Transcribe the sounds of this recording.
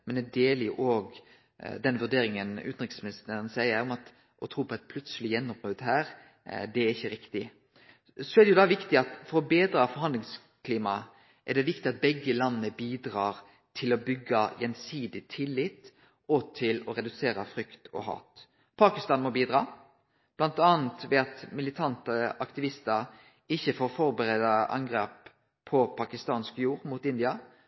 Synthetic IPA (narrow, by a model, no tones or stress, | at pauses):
mɛnɛd̪eːlɪʔoːɡ | d̪ɛnʋʉɖ̪eːɾɪŋənʉ̰ːn̩ɾɪksmɪnɪsnəɾənsæɪəɾɔmɑt̪ | ʔɔt̪ʰɾuːpʰɔɛt̪̚pʰlʉt̪səlɪjɛnːɔmpʁoːd̪ɦæːɾ | d̪ɛæɾɪçːəɾɪkt̪ɪ | sɔɛd̪ɛjʊd̪ɑːʋɪkt̪ɪɑt̪fɔɾɔbeːd̪ɾɑːfɔɾɦɑnd̪lɪŋs | kʰliːmɑ | ʔɛɖɛʋɪkt̪ɪɑt̪̚bɛɡːəlɑnːəbiːd̪ɾɑːɾ | t̪ʰɪlɔbʏɡːɑjɛnsiːd̪ɪt̪ʰɪlːɪt̪ | ɔt̪ʰɪlɔɾɛd̪ʉseːɾəfʁʏkt̪ɔ̰hɑ̰ːt̪ | pʰɑːkɪst̪ɑːnmɔbiːd̪ɾɑː | b̥lɑnt̪ɑːnt̪ʋɛɑt̪mɪlɪt̪ʰɑnt̪əɑkt̪ɪʋɪst̪əɾ | ɪçːəfoːɾfɔɾbəɾed̪ɑʔɑ̰ŋɡɾeːpʰː | ɔpʰɑkɪst̪ɑːnskjuːɾmut̪ɪnd̪ɪɑ